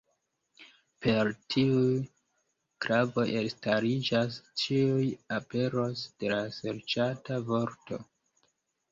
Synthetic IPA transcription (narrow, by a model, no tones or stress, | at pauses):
pe̞ɾtʰiu | kɾavo̞jʔestaɾid͡ʒast͡ʃiujape̞ɾo̞sd̥e̞lase̞ɾt͡ʃatavoɾto̞̰